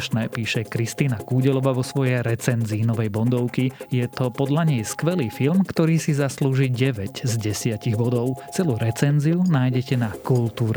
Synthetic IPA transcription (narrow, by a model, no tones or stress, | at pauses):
ʃnɛːpiːʃɛkɾist̪iːnakuːɟɛlɔʋaʋɔsʋɔjɛjɾɛt͡sɛnziːnɔʋɛjbɔnd̪ɔʊkijɛt̪ɔpɔd̪ʎaɲɛjskʋɛliːfilmkt̪ɔɾiːsizasluːʒiːɟɛʋɛɟzɟɛsɪaciɣbɔd̪ɔʊt͡sɛluːɾɛt͡sɛnziunaːjɟɛcɛnakult̪uːɾɛ